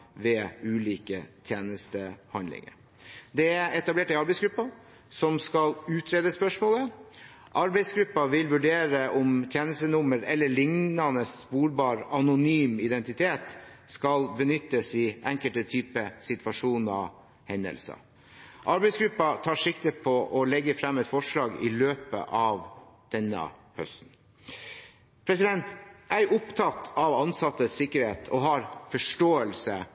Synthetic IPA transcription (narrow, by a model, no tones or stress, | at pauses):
ʋɛʉːliːkət̪ʰjeːnəst̪əhɑnlɪ̰ŋə̰ | d̪ɛɛt̪ɑbleːʈɪɑɾbɛɪsɡɾʉpːɑ | sɔmskɑlʉːt̪ʰɾeːd̪əspœʂmoːlə | ʔɑɾbæɪsɡɾʉpːɑʋɪlʋʉɖeːɾəʔɔmt̪ʰjeːnəst̪ənʊməɾɛlːəɭɪŋnɑnəsːpuːɾbɑːɾɑnʊnyːmɪd̪ɛnt̪ɪt̪ʰeːt̪skɑlbənʏt̪ːəsɪʔæŋkəlt̪ət̪ʰyːpəsɪt̪ʋɑʂuːnɑ | hɛnd̪ə̰lsə̰ | ʔɑɾbɛɪsɡɾʉpːɑt̪ʰɑːʂɪkt̪əpʰɔʔɔlɛɡːəfɾɑmːɛt̪fɔʂlɑːɡɪ̰løːpə̰ʔɑʋd̪̥ɛnːə̰ | hœst̪n̩ | pʰɾɛsɪd̪ɛnt̪ʔæɪʔʊpt̪ʰɑt̪ɑʋɑnsɑt̪ːəssɪkːəɾheːt̪ʰɔ̰ɦɑɾfɔʂʈoːəlsə